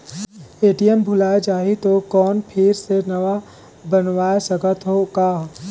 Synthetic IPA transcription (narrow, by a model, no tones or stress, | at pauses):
eːʈijəmbʱʊlaːed͡ʒaːɦit̪okɔːnpʰɪɾsenɐʋa | bənʋaːesəkət̪ɦokaːɦ